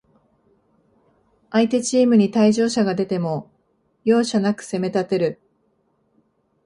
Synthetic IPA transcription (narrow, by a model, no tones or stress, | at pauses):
ait̪e̞t͡ɕiːmɯ̟ɲ̟it̪aiʑo̞ːɕaɡad̪e̞t̪e̞mo̞ | jo̞ːɕanakɯ̟̥se̞me̞t̪at̪e̞ɾɯ̟